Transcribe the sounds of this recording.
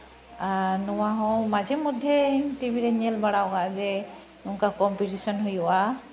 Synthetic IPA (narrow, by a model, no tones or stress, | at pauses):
anɔwaɦɔ̃mad͡ʒɛmud̪ʱːeʈibʱiɾenɛlbaɽawkaʔzɛ | uŋkakɔmpiʈisɔnɦujɔʔa